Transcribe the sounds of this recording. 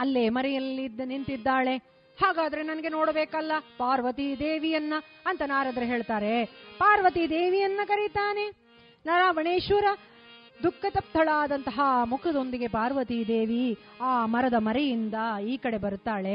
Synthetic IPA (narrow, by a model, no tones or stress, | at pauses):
ɐlːe̞ːmɐɾɛjɐlːinint̪id̪ːaːɭe̞ | haːɡaːd̪ɐɾe̞nɐnɐɡe̞no̞ːɽɐbeːkɐlːɐpaːɾʋɐt̪id̪eːʋijɐnːɐ | ɐnt̪ɐnaːɾɐd̪ɐɾɐɦe̞ːɭt̪aːɾe̞paːɾʋɐt̪id̪eːʋijɐnːɐkɐɾit̪aːne̞ | naːɾaːʋɐɳeːʃuɾɐ | d̪ukʰːɐt̪ɐp̚t̪ʰɐɭaːd̪ɐnt̪ɐɦɐmukʰɐd̪o̞nd̪iɡe̞paːɾʋɐt̪id̪eːʋiaːmɐɾɐd̪ɐmɐɾejind̪ɐiːkɐɽe̞bɐɾut̪aːɭe̞